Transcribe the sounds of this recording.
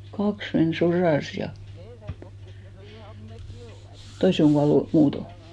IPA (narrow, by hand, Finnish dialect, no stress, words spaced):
kɑks men sorɑˑs jɑ toise oŋ ɡ̊uɑlːu muːto